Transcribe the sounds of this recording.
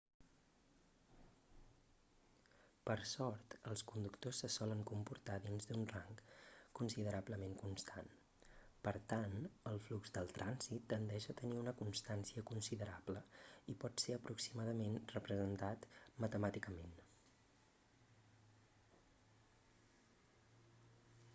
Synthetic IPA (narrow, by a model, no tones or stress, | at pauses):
pəɾsɔɾt̪əlˠskund̪ukt̪osːəsɔləŋkumpuɾt̪aðinzd̪unraŋkkunsiðəɾabləmeŋkunst̪ʰan | pəɾt̪anəlˠflukzd̪əlˠt̪ɾʔanzit̪ːənd̪ɛʃət̪əniunəkunst̪ansiəkunsiðəɾabləipɔt̪seəpɾuksimaðəmenrəpɾəzənt̪at̪mət̪əmat̪ikəmen